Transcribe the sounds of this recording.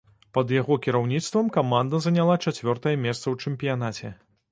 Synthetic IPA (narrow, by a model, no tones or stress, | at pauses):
pɐd̪jaɣɔkʲiɾawnʲit̪st̪vɐmkamand̪ɐzɐnʲalˠat͡ʂat͡sʲvʲɔrt̪ɐjɛmʲɛst̪sɐwt͡ʂɛmpʲijanat͡sʲɛ